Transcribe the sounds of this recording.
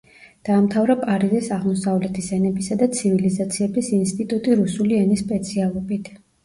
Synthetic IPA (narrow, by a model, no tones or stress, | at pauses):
d̪̥aːmt̪ʰavɾapʼaɾizisaʁmɔsavlɛt̪ʰisɛnɛbisad̪at̪sʰivilizat̪sʰiɛbisinst̪ʼit̪ʼut̪ʼiɾusuliɛnispʼɛt̪sʰialˠɔbit̪ʰ